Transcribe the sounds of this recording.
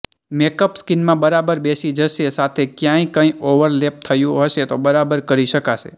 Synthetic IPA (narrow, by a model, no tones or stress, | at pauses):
mekəpskinmãbəɾabəɾbesid͡ʒəʃesat̪ʰekjãĩkə̃ĩoʋəɾlep̚t̪ʰəjũɦəʃet̪obəɾabəɾkəɾiʃəkaʃḛ